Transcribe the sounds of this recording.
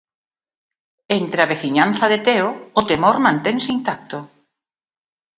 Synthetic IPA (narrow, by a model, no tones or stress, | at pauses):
ent̪ɾeaβ̞eθiɲan̟θɐðet̪eoot̪emoɾmãnt̪eŋseint̪ak̚t̪ʊ